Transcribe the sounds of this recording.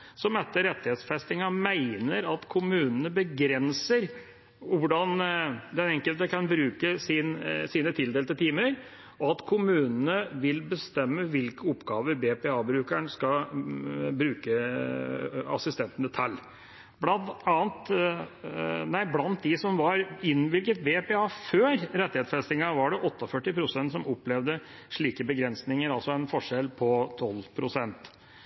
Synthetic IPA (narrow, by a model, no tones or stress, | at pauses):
sɔmɛt̪ːəɾɛt̪ːɪheːt̪sfɛst̪ɪŋɑmæɪnəɾɑt̪kʰʊmʉːnənəbəɡɾɛnsəɾ | ʊɖɑnd̪ɛnɛŋkəlt̪əkʰɑnbɾʉːkəsɪnsiːnət̪ʰɪld̪eːlt̪ɪlt̪ʰiːməɾ | ʔɔɑt̪kʰʊmʉːnənəʋɪlbəst̪ɛmːəʋɪlkəɔpːɡɑːʋəɾbeːpeːɑːbɾʉːkæɳskɑ | bɾʉːkə | ɑ̰sɪst̪ɛnt̪ənət̪ʰɛlː | blɑnt̪ɑːnt̪ | næɪblɑnt̪̚d̪ɪsɔmʋɑɾɪnʋɪlɡət̪̚bepeɑːføːɾɾɛt̪ːɪheːt̪sfɛst̪ɪŋɑʋɑɖɛʔɔt̪ːəɔfœʈːɪpʰɾʊsɛnt̪sɔmɔpːlɛʋd̪ə | ʂɭiːkəbəɡɾɛnsnɪŋəɾɑlsɔɛnfɔʂɛlpʰɔt̪ʰɔlpʰɾʊsɛnt̪